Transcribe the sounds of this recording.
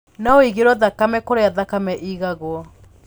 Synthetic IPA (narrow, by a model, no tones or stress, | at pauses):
naoiɣeɾwɔðakamɛkoɾeaðakamɛʔiɣaɣwɔ